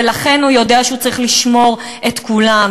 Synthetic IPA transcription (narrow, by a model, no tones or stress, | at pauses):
elaχe̞nhujo̞deaʃeut͡saʁiχliʃmo̞ʁ | ʔet̪kulam